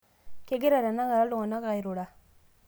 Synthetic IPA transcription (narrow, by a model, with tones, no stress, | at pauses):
ke˦ɡi˦ɾa˨ɾa˨na˦ɡa˨ɾa˦lu˦˨ŋa˨na˦ka˨jɾu˨ɽa˨